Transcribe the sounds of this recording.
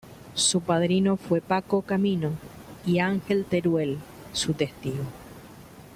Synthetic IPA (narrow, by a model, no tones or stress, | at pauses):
supaðɾino̞fwe̞pakokamino | iaŋxelt̪eɾwel | sut̪est̪iɣo